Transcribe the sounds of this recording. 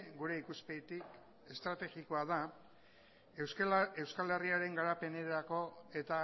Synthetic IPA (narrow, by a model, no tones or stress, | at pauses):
ɡuɾe̞ikuspet̪ik | e̞st̪ɾat̪e̞ɣiko̞aða | e̞wskale̞riaɾe̞ŋɡaɾape̞ne̞ako̞e̞t̪a